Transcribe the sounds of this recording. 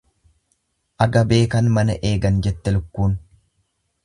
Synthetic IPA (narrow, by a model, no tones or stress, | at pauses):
ʔɐɡɐbe̞ːkɐnmɐnɐʔe̞ːɡɐnd͡ʒɛt̪ːɛlʊkːuːn